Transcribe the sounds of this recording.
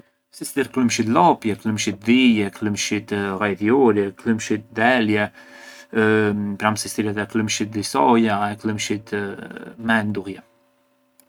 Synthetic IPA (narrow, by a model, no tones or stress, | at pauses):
sist̪iɾkləmʃit̪lɔpjɛkləmʃit̪̚d̪ijɛkləmʃit̪ʁajðjɔɾjɛkləmʃit̪̚d̪ɛljɛ | pɾamsist̪iɾɛt̪ɛkləmʃit̪̚d̪isɔjaɛkləmʃit̪ | mɛnd̪uɣjɛ